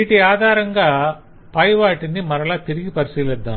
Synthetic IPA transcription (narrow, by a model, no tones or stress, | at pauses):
iʈːiaːd̪ʱaːɾɐŋɡaː | pɐjʋaːʈːɐnd̪imɐɾɐlaːt̪iɾɪɣipɐɾɪsiːlɐd̪ːã̰ː